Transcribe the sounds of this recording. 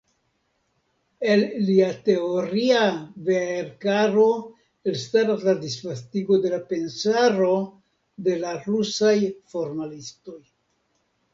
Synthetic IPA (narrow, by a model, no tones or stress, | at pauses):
e̞lliate̞oɾiaveeɾkaɾo̞ | elstaɾasladisfastiɡo̞de̞lape̞nsaɾo̞ | de̞laɾusajfo̞ɾmalisto̞j